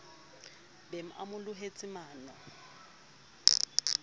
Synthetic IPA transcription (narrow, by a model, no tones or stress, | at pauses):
bem̩ʔa̰mʊlʊɦet͡sʼɪmaːnɔ